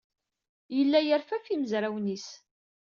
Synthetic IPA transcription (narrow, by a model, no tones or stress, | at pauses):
jəlːæjəɾfæfiməzɾæwnis